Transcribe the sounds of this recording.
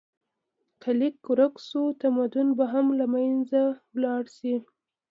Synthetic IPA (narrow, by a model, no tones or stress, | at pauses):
kalikːʊɾaksot̪amad̪ʊnbaɦamlamajnzawlɑɽsi